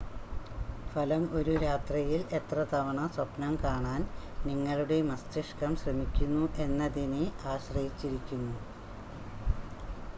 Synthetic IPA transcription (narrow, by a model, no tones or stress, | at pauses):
fɐlɐmo̞ɾuɾaːt̪rijile̞t̪rɐt̪ɐʋɐɳɐswɐpnɐmkaːɳaːnniŋːɐɭuɽe̞mɐst̪iʂkɐmɕrɐmikʲːunːuʔe̞nːɐðineaːɕrɐɦit͡ɕːiɾikʲːunːu